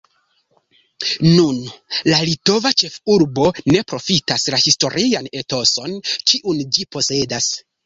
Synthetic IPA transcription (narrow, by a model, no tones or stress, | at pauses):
nunlalito̞vat͡ʃe̞fuɾbo̞ne̞pɾo̞fitaslahisto̞ɾʔiane̞to̞so̞nt͡ʃiʔund͡ʒipo̞se̞das